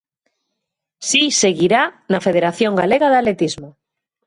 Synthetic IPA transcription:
sise̞ɣiɾanafeð̞eɾaθjoŋɡaleɣaðalet̪izmo

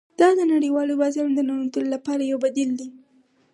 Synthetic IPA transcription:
d̪̥ɑd̪ənaɽiwɑliwazand̪ənaɽunt̪ulolapɑɾajawbad̪ild̪i

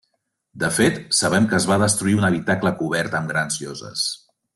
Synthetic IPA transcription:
d̪əfet̪səβ̞ɛmkəːzβaðəst̪ɾuiunəβ̞it̪akləkuβ̞ɛɾt̪əmɡɾanzʎɔzə̰s

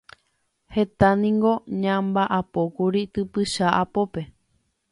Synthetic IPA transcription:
he̞t̪anĩŋɡo̞ɲãmbaʔapo̞kuɾit̪ɨpɨʃaʔapo̞pe̞

